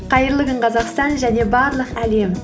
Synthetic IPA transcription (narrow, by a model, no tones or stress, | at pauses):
qʰɑjəɾlˠəɡəɴqʰɑzɑqst̪ɑnʒæne̞bɑɾlˠəqæle̞m